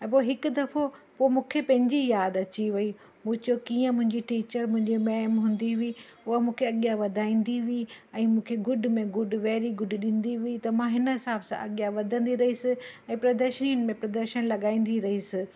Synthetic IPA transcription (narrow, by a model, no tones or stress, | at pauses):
ɛ̃poːɦɪkʊd̪ɐfopoːmũːkʰepɐ̃ɦɪ̃ɲd͡ʑijaːd̪ɐt͡ɕiʋɐi | mũːt͡ɕokiːə̃mʊ̃ɦɪ̃ɲd͡ʑiʈiːt͡ɕəɾmʊ̃ɦɪ̃ɲd͡ʑimaːmɦũːn̆d̪iʋii | ʊɦamũːkʰeɐɠjaʋɐd̪ʱaːĩːn̆d̪iʋiiɛ̃ːmũːkʰeɡʊɖʱmẽɡʊɖʋɛːɾiɡʊɖʱɗĩːnd̪iʋiit̪ɐmãɦɪnɦɪsaːbsã̰ʔɐɠjaʋɐd̪ʱə̃nd̪iɾɐɦisɪɛ̃ːpɾɐd̪əɾʃəniːənɪ̆mẽpɾɐd̪əɾʃənlɐɠaːĩːn̆d̪iɾɐɦisɪ